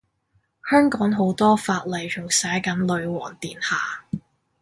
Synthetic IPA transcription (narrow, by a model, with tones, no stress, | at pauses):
hœː˥ŋkɔː˨˥ŋɦo˨˥wt̪ɔː˥faː˧t̚lɐ˨˩jt͡ʃʰʊ˨˩ŋsɛː˨˥jkɐ˨˥nlɵ˨˧ɥwɔ̰ː˨˩ŋt̪iː˨nhaː˨